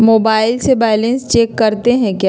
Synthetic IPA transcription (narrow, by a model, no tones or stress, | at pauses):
moːbaːɪlsebɛːɪlẽnst͡ʃeːkːɐɾt̪eɦɛ̃kjaː